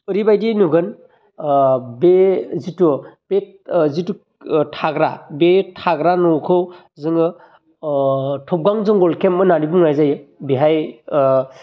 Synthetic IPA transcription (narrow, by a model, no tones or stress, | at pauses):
ɯɾibajdinuɡɯn | bezitub̥e | zitu | tʰaɡɾa̰betʰaɡɾanɔkʰɯw | zɯŋɯ | tʰɔp̚ɡaŋzɯŋɡɔlkʰemɯnaɾibuŋnajzajɯbiɦaj